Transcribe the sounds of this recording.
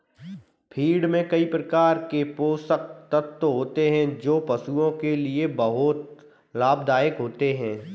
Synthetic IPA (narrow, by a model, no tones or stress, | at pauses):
pʰiːɽmẽkɐipɾɐkaːɾkepoːsək̚t̪ət̪ːoɦoːt̪eɦɛ̃d͡ʒoːpɐsuõkeliebɐɦʊt̪ | laːb̚d̪aːɪkɦoːt̪eɦɛ̃ː